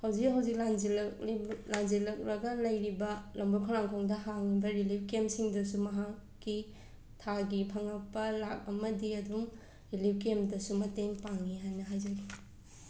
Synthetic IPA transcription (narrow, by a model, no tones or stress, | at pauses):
hawd͡ʒik̚ɦawzik̚laŋd͡ʒilkiblaŋzilɐk̚ɾɐɡɐlɐjɾibɐlɐmbokʰɔlaŋkʰoŋdɐɦaŋibɐɾilip̚kemsiŋdɐsumɐɦakːi | tʰaɡipʰɐŋɐk̚pɐlak̚ɐmɐdiɐduŋ | ɾilip̚kemdɐsumɐteŋpaŋiɦajnɐɦajd͡ʒɐɡi